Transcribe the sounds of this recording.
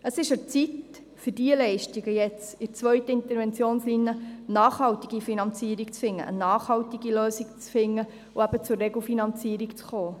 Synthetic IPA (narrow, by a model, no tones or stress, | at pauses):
əsɪʃət͡sit | fʏdiəlɛɪʃtiɡəjɛt͡sɪɾt͡sʋœɥtəɪnt̪əɾʋɛnt͡sjoːnslinjənɑːχhɑltiɡifinɑnt͡siəɾikt͡sfɪŋːə̰ʔə̰nɑːχhɑltiɡiløːsikt͡sfɪŋːə | ʊæbət͡sʊɾrːɛɡl̩finɑnt͡siːɾikt͡sχoː